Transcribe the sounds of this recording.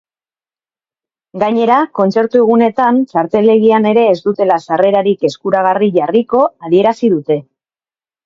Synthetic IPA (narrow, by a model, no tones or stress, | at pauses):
ɡaɲe̞ɾako̞nt͡se̞ɾt̪ue̞ɣ̞une̞t̪ant͡ʃaɾt̪e̞le̞ɣiane̞ɾe̞ːzd̪ut̪e̞lasare̞ɾaɾike̞skuɾaɣ̞ariʝariko̞aðie̞ɾasið̞ut̪e̞